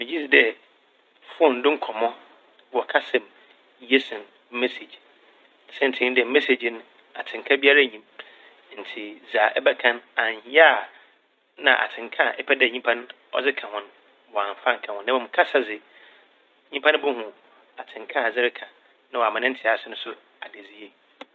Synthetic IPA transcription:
mɪ̃˨d͡ʑi˦si˨dɛ˦˨ | fʊ˦ɔ˦˨n̩˨dʊ̃˦ŋ̩˦kʰɔ˨mɔ̃˦ | wɔ˨kʰa˦sɛ̃˨m | je˦sɪ̃˨n | m̩˦me˦se˨d͡ʑ | sɛ̃˦n̩˨tʰɪ̃˦dɪ˦ɛ˨˦mɛ˦se˨d͡ʑñ˦ | a˨tʰɪ̃˨ŋ˨kʰa˦bi˦a˦ɾa˦˨ɲĩ˨m | n̩˨tʰɪ˨d͡za˨ʔɛ˦bɛ˦kʰã˦nã˨ɲ˨ha˦˨ | nã̰˨ʔa̰˨tʰɪ̃˨ŋ˨kʰã˦˨ʔɛ˦pʰɛ˦dɛ˦˨ɲĩ˦pʰã˦n | ɔ̰˦d͡zɪ˦kʰã˨hʊ̃˦n | wɔ˨ã˨ɱ˨fa˦ŋ̩˨kʰã˨hʊ̃˨nːã˨mɔ̃˨m˨kʰa˦sa˦zɪ˨˦ | ɲĩ˦pʰã˦ñ˦bʊ˦hũ˨ | a˨tʰɪ̃˨ŋkʰã˦a˨d͡zɪ˦ɾɪ˦kʰa˨ | nã˦wɔ˨a˨mã˨nɪ̃˦n̩˦tʰɪ˨a˨sʊ˦nʊ̃˦sʊ˦ | a˨de˨d͡zi˦je˦

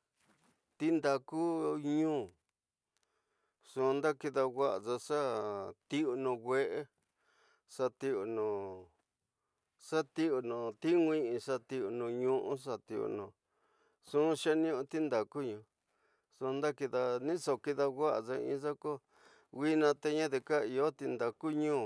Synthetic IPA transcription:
t̪i˦nd̪a˧ku˦ɲũː˦ | sũ˧nd̪a˦ki˧ða˧wʷa˦ʔa˨d͡za˧ʂa˦t̪i˦u˧nũ˧ɡʷe˧ʔe˦ | ʂa˧t̪i˧o˧nũ˨ | ʂa˦t̪i˦u˧nũ˨t̪i˦ŋʷĩ˦ĩ˧ʂa˧t̪i˧u˧nũ˧ɲũ˧ʔũ˦ʂ̬a˧t̪i˧ṵ˧˨nũ˧˨ | sũ˦˧ʃa˦nĩ˦ũ˧t̪i˦nd̪a˨ku˦ɲũ˧ | sũ˧nd̪a˦ki˧ða˧nĩ˦so˨ki˧ða˧wa˦ʔa̰˨ʐo˧ḭ̃˧˦ʐa˦ko˦ | wi˦nã˧t̪e˧ɲã˦ðe˧ka˦i˨o˦t̪i˧nd̪a˨ku˦ɲũː˦˨

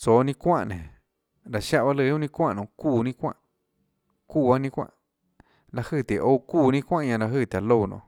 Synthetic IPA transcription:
t͡soː˨˦nĩ˦˧kʷã̰˦˧ʔnẽ˨ | ɾa˨ʃa˦ʔba˦lɨ˧˨˦ũ˦nĩ˦˧kʷã˦ʔnõ˧˨kuː˦˧˨nĩ˦kʷã̰˦ʔ | kuː˧˨ba˦nĩ˧kʷã̰˦˨ʔ | la˧hɨ˦˧˨t̪e˨ʔo˦kuː˦˧˨nĩ˦˧kʷã˦ʔɲã˧la˧ɦɨː˦˧˨t̪ʲa˨lo˦˧˨nʔõ̰˧˨

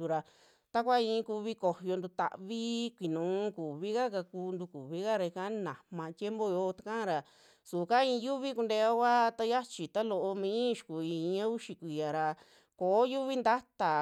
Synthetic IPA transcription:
u˧ɾa˧ | t̪a˦kʷa˦ĩ˧ku˧βi˧˦ko˨hjo˧nd̪u˧t̪a̰˧˨βi˦kʷi˨nũː˨˦ku˨βi˦ka˦ka˧kuː˧nd̪u˧ku˨βi˦ka˦ɾa˧i˧kã˧˦nã˨mã˧t̪je˦mbo˦jo˧t̪ḁ˧kã˦ɾa˧ | su˨ka˦ĩ˧ju˦βi˦ku˧nd̪e˧a˦kʷa˦t̪a˧ja˦t͡ʃi˨t̪a˦lo˧ʔo˧mĩ˧˦ʃu̥˨ku˨i˧˦ã˦u˦ʃi˧kʷi˨ja˨ɾa˧ | ko˨˦ju˦βi˦nd̪a˦t̪a˨

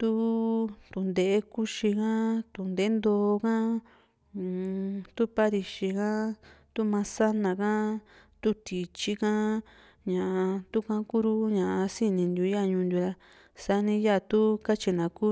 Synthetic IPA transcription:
t̪u˦t̪u˧˨nd̪e˨e˦ku˦ʃi˧kã˦t̪u˧nd̪e˨˦nd̪oː˧kã˦˨ | t̪u˦pa˦ɾi˧ʃi˧kã˦t̪u˦mã˧sa˦nã˧kã˦t̪u˦t̪i˨t͡ʃi˦kã˦ | ɲã˨a˧t̪u˦kã˦ku˦ɾu˦ɲã˨ʔa˧si˦nĩ˧nd̪u˧˦a˦ɲũ˧nd̪ʲu˧ɾa˧ | sa˧nĩ˧ja˦˨t̪u˦ka˦t͡ʃi˧nã˨ku˦

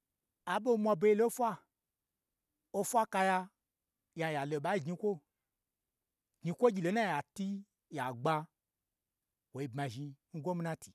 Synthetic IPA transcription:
a˨ɓo˦mʷa˧bo˨˧i˦lo˦fʷa˦ | o˦fʷa˦ka˧ja˧ | ja˨˧ja˨lo˨ɓa˨˦i˦ɡɲi˧kʷo˦ | ɡɲi˧kʷo˦ɡʲi˧˨lo˨˦na˦˨ja˨ti˦ | ja˨ɡ͡ba˧ | wo˨i˧bma˨ʒi˧ŋ̩˦ɡʷo˦mi˦nã˦tʰi˨

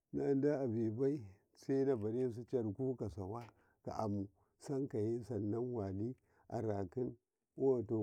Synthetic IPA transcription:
na˦nda˦a˨be˨ba˦i˦ | sa˦na˦ba˨ɾi˦s̬i˦t͡ʃa˦ɾku˦ka˨sa˨wa˦ | ka̰˨ʔa˨mu˨ | sa˦nka˨je˦sa˨nːa˦nwa˨li˦ | ʔa̰˨ɾa˨ki˦n | wo˦˨to˨

